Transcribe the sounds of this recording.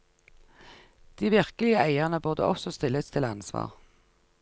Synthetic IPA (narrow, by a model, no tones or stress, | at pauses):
d̪̥iːʋɪʁkəlɪəʔæɪəʁnəbʊʁd̪ə̰ʔɔsɔst̪ɪləst̪ʰɪlɑnsʋɑ̰ːʁ